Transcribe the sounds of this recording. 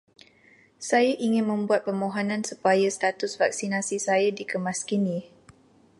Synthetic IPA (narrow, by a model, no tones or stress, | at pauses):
sajaʔiŋɪnmə̃mbuat̪̚pəmõɦonãnsupajast̪at̪ʊsvak̚sinasisajadikəmaskinĩ